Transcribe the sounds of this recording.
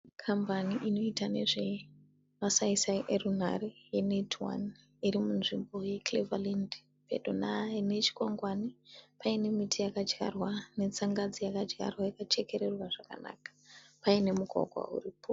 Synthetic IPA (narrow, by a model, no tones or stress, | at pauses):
kʰambaniʔino̞itane̞̰ʐe̞ | ʋasaisaʔerun̤a̰ɾejenetʰwa̰n | irimunʐimbo̞je̞klevalind | pḛdo̰naine̞t͡ʃi̥kwaŋɡwanipaine̞mitʰijakad͡ʒɡa̰rwane̞t͡saŋɡad͡zijakad͡ʒɡa̰rwajakat͡ʃe̞ke̞ɾe̞rwaʐaka̰na̰ːkḁpaine̞muɡʱa̰ɡʱwa̰ṵriːpʰo